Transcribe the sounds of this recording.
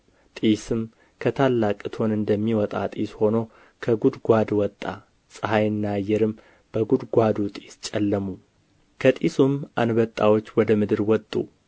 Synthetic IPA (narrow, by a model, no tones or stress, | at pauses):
t̪ʼisɨm | kʰət̪ʰalːakʼɨt̪ʰo̞nɨnd̪əmːiwɔt̪ʼa̰t̪ʼisho̞now | kʰəɡud̪ɡʷad̪wɔt̪ʼːa̰ | sʼɨɦajɨnːajɛɾɨm | b̥əɡud̪ɡʷad̪ut̪ʼist͡ʃʼɛlːəmu | kʰət̪ʼisumʔanbət̪ʼːawo̞t͡ʃːwɔd̪əmɨd̪ɨɾwɔt̪ʼːṵ